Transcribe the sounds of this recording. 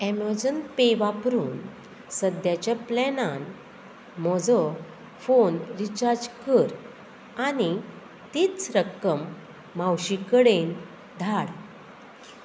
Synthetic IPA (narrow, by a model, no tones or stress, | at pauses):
eməɾd͡ʑənpeʋapəɾuːn | səd̪jat͡ɕjaplɛnan | mɔd͡zɔ | fonɾit͡ɕaɾd͡ʑkəɾ | ani | t̪iːt͡sɾəkːəmː | awɕikəɽen | d̪ʱaɽ